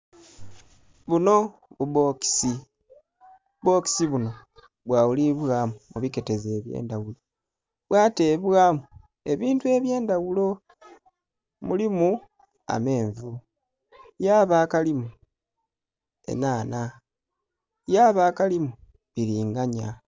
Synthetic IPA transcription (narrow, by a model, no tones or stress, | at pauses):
βuno̞ | βuβo̞ːki̥si | ubo̞ːki̥siβuno̞ | βwaːwuliβwaːmumuβike̞te̞ze̞ːβjḛːndawulo | βwaːteːβwaːmu | e̞βiːntue̞βje̞ːndawulo̞ | mulimu | a̰me̞ːɱvu | jaːβaːkalimu | e̞̰naːna | jaːβaːkalimu | βiɾiːŋɡaɲa